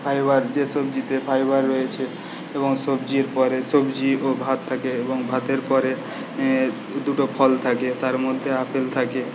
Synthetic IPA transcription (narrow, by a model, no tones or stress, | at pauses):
pʰajbaɾd͡ʒesob̚d͡ʑit̪epʰajbaɾːɔet͡ʃʰe | eboŋsobd͡ʑiɾpɔɾesobd͡ʑiobʱat̪ʰːakeeboŋbʱat̪eɾpɔɾe | d̪uʈopʰɔlt̪ʰaket̪aɾmod̪ʱːeapʰelt̪ʰake